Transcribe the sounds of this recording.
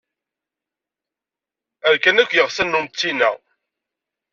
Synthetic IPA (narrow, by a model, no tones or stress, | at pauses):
æɾkænækʷːjəʁsænːumt͡sːinæ̰